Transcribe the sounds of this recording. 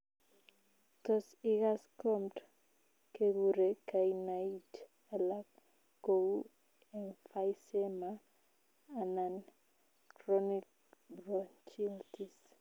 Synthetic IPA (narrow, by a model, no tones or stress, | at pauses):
t̪ɔsiɣaskɔmt | keɣuɾekajnajt | alak | ɡo | enfajsema | anan | kɾɔnik̚ | bɾɔnt͡ʃiltis